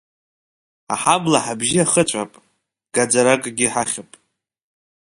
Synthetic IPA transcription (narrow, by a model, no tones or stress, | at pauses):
a̰ħablaħabʒiaχət͡ɕʷʼapʼ | ɡ̥ad͡zaɾakʼɡʲiħaχʲapʼ